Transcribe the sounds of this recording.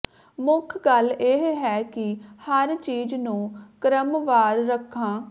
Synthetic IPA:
mʊkʰɡəleɦɦɛːkɪhəɾt͡ʃiːd͡ʒnũːkəɾəmʋaːɾɾəkʰːãː

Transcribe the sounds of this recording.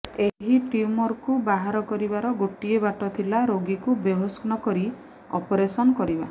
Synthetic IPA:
eɦiʈiumɔɾkubaɦaɾɔkɔɾibaɾɔɡoʈiebaʈɔt̪ʰilaɾoɡikubeɦɔsknɔkɔɾi | ɔ̰pɔɾesɔnɔkɔɾiba

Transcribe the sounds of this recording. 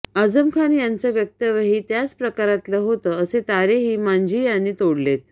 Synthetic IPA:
əd͡zəmkʰanjant͡səʋjək̚t̪əʋəɦiːt̪jat͡spɾəkaɾat̪ləɦot̪əəset̪aɾeɦiːmaɲd͡ʑijanːiːt̪oɽlet̪̚

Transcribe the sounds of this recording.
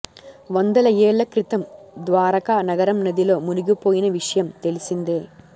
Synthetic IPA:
ʋɐnd̪ɐlɐjeːɭːɐkɾit̪ɐmd̪ʋaːɾɐkaːnɐɡɐɾɐmnɐd̪ilo̞ːmunuɡipo̞ːjinɐʋiʂɐjɐmt̪e̞lisind̪eː

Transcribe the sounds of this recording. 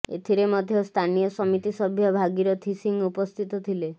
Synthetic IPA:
ḛt̪ʰiɾemɔd̪ʱjɔst̪ʰanijɔsɔmit̪isɔbʱjɔbʱaɡiɾɔt̪ʰisiŋupɔst̪ʰit̪ɔt̪ʰile

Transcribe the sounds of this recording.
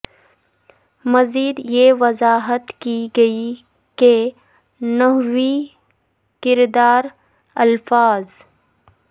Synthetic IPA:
mɐziːd̪jeːʋɐzaːɦət̪kiɡɐi | ke | nɐɦwi | kɪɾd̪aːɾ | ɐlfaːz

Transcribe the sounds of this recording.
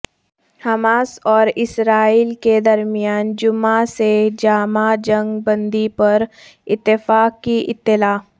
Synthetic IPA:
hɐmaːsɔːɾɪsɾaːiːlked̪ɐɾmijaːnd͡ʒʊmased͡ʒaːmad͡ʒɐ̃ŋɡbə̃nd̪ipɐɾ | ɪt̪ːɪfaːkːiʔɪt̪ːɪlaːf

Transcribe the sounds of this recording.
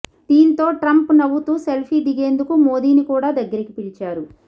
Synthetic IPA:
d̪̥iːnt̪o̞ːʈɾɐmpnɐwːut̪uːse̞lpʰiːd̪iɡe̞ːnd̪ukumoːd̪iːnikuːɽaːd̪ɐɡːɐɾikipiɽit͡ʃaːɾu

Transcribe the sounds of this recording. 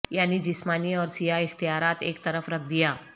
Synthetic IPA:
janːiːd͡ʑismaniːɔɾsiɦaixt̪ijaɾat̪ḛkt̪əɾəfɾək̚d̪ija

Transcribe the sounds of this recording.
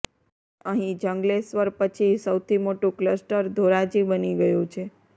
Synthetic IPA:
əɦĩd͡ʒəŋɡlesʋəɾpət͡ʃʰisəwt̪ʰimoʈũkləsʈəɾd̪ʱoɾad͡ʒibəniɡəjũt͡ʃʰe

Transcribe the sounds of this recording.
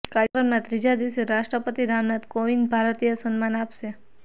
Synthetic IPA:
kaɾjəkɾəmnat̪ɾid͡ʒad̪iʃeɾaʃʈɾəpət̪iɾamnat̪koʋinbʱaɾt̪ijəsənmanapʃe

